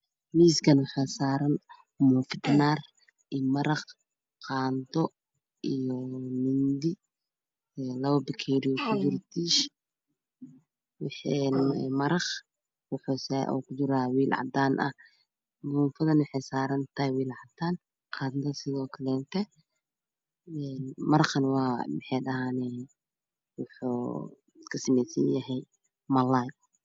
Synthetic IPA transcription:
miːskʰɐnwɑħaːsaːɾɐn | mufɪd̪naːr | ʔimɐɾɐχ | qaːnd̪ɔ | ʔijɔmɪnd̪i | lɐβɐbɪkʰɛɾɪkʰʊd͡ʒɪɾt̪ʰiːʃ | wħɛmɐɾɐχ | wʊħusaʔːkʰʊd͡ʒɪɾaːwiːlʕɑ̰d̪aːnʔɐ̰ | muːnfɐðɐnwʊħɛjsaːɾɐnt̪ʰɐhɛwiːlʕɑd̪aːn | qʰɑːd̪nd̪ɐsɪðɔːkʰɐlɛnt̪ʰɛ | ɛnmɐɾɐχɐnwɑːmɪħɑjɗɐɦaːnɛː | wʊħṵː | kʰɐsɪmɛsɐnjɐɦɛj | mɐlaj

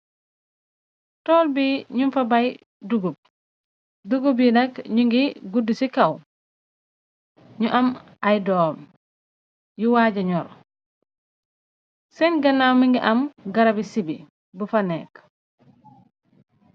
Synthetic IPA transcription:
tɔːlbiɲumfɐbaj | duɡub̚ | duɡubinɐkɲuŋɡiɡudusikɐw | ɲuʔɐmʔɐjdɔːm | juwaːɟɐɲɔɾ | sɛnɡɐnːawmiŋɡiʔɐmɡɐɾɐbisibḭ | bufɐnɛːk

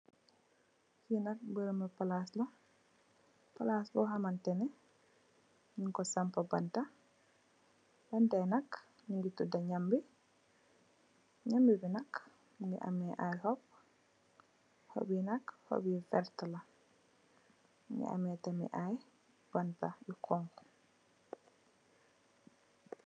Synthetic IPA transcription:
kinɐk̚bəɾəməpalaslɐ | pɐlasbɔɦɐmantɛnɛ | ɲiŋkɔsampɐbɐnta | bɐntanɐk | niŋɡitudɐɲambi | ɲambibinak | mɡḭʔa̰mɛʔajhɔp̚ | ho̰binakho̰bifɛɾtala | mḭa̰mɛtamḭʔaj | b̥antaikʰɔŋk

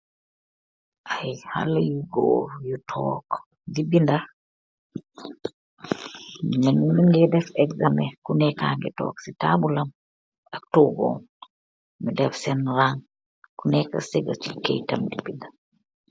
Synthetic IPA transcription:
ʔajha̰lajuɡo̰ːjutʰɔ̰k | dibinda | mɛnmiŋɡɛdɛfɛkzamɛkunɛkaŋɡɛtɔ̰ːksitabulam | ak̚toɡɔ̰n | mɛdɛfsɛnɾaŋ | kunɛkːa̰sɛɡat͡ʃikḛjta̰mdibinda

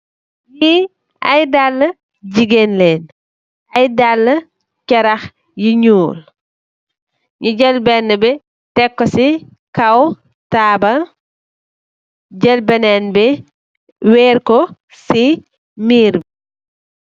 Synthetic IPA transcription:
ji | ʔɐ̰jdalːə | ɟiɡenleːn | ɐjdalːə | cɐɾɐx | jiɲuːl | ɲuɟɛlbɛnːəbɛ | tɛkːɔsi | kɐw | taːbɐ | ɟɛlbɛnɛnbɛ | wɛːrkɔ | si | miːɾb

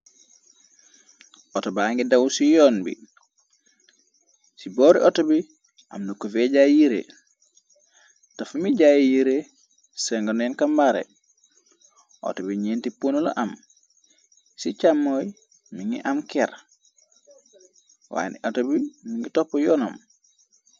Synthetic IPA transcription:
ʔɔtobaŋɡidawsijɔːnbḭ | siboɾiʔotobi | ʔa̰mnukːofeɟajiɾḛ | tafumiɟajjiɾe | sɛŋɡonjɛnkambaɾḛ | ʔo̰tobiɲiːntipunulo̰ʔam | sit͡ʃamːoj | miŋɡḭʔamkɛɾ | wa̰ːniʔotobimiŋɡitopːojɔːnom

